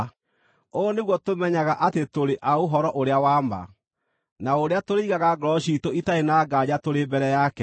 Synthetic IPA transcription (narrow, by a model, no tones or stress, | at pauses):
oneɣwɔtomɛɲaɣaʔatetoɾeʔaoɦɔɾɔʔoɾeawaːma̰ | naoɾeatoɾeiɣaɣaɡɾɔɕitoitaenaːɡad͡ʑatoɾebɛɾɛjakɛ